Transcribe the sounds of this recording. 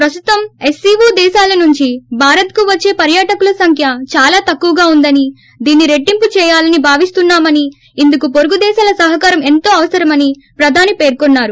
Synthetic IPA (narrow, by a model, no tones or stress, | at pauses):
pɾɐst̪u̥t̪ɐme̞siːʋuːd̪ɛːʃaːlɐnuɲt͡ʃibʱaːɾɐt̪̚kuʋɐt͡ʃːe̞ːpɐɾjaːʈɐkulɐsɐŋkʰjɐt͡ʃaːlaːt̪ɐkːuʋɐɡaːund̪ɐni | d̪iːnːiɾe̞ʈːimput͡ʃɛːjaːlɐnibʱaːʋist̪unːaːmɐniː | nd̪ukupoɾuɡud̪ɛːʃaːlɐsɐɦɐkaːɾɐme̞nt̪o̞ːɐʋɐsɐɾɐmɐni | pɾɐd̪ʱaːnipe̞ːɾkonːaːɾu